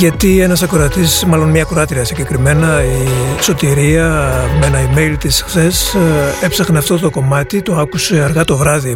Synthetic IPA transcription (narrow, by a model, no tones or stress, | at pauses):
ʝɐt̪ienɐsɐkɾoɐt̪ismɐlo̞nmɲɐkɾoɐt̪ɾiɐsiɲɟe̞kɾime̞nɐiso̞t̪iɾiɐmeenɐime̞jlt̪isxθe̞se̞psɐxneɐft̪o̞t̪o̞ko̞mɐt̪it̪o̞ɐkuse̞ɐɾɣɐt̪o̞vɾɐði